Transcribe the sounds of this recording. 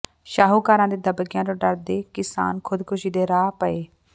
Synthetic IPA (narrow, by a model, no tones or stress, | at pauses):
ʃaːɦuːkaːɾãːd̪eːd̪əbəɡjãːd͡ʒõːɖəɾd̪eːkɪsa̰ːnkʰʊd̪kʊʃiːd̪eːɾaːpəeː